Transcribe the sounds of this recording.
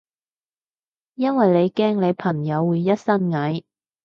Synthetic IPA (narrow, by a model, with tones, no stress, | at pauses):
jɐ˥nwɐ˨jle˨˧jkɛː˥ŋle˨˧jpʰɐ˨˩ŋjɐ˨˧wːuː˨˧jːɐ˥t̚sɐ˥nŋɐ˨˥j